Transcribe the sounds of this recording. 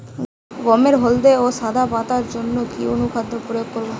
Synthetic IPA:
ɡɔmeɾɦold̪eoʃad̪ʱabat̪aɾd͡ʑonːokionukʰad̪ʱːopɾojoɡ̚koɾbo

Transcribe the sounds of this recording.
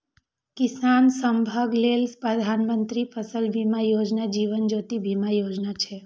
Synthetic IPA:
kɪsansəmbʱaɡlelspɾəd̪ʱanmənt̪ɾipʰəsəlbʱimajod͡ʒnad͡ʒiʋənd͡ʒot̪ibʱimajod͡ʒnat͡ʃʰe

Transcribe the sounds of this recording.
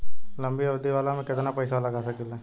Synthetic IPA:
lɐmbiɐbd̪iʋaːlãmẽkɪt̪napɐjsalɐɡasɐkilɛ

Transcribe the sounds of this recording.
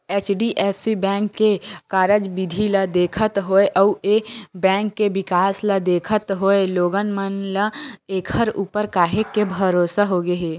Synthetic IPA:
eːt͡ʃɖiʔeːpʰsibɛ̃ːŋkːekaːɾəd͡ʒbɪd̪ʱilɐd̪eːkʰət̪ɦoːeʔɐuebɛ̃ːŋkːeʋɪkaːsləd̪eːkʰət̪ɦoːeloːɡənmənləeːkʰəɾuːpəɾkaːɦekːebʱəɾoːsaɦoɡəɦeː

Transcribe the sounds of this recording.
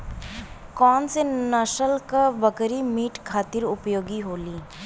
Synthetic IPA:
kɔːnsenəʃəlkabəkɾimiːʈkʰaːt̪ɪɾʊpjoːɡiɦoːliː

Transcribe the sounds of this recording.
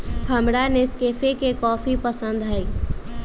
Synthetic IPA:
hʰəmɽaneskeːfekekɔːfipəsə̃nd̪ɦai

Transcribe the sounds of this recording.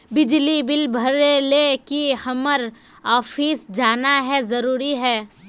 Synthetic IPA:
bɪd͡ʒlibɪlbʱɐɾelekihɐməɾ | ɔːfiːsd͡ʒaːnaɦɛzɐɾuːɾiɦɛː

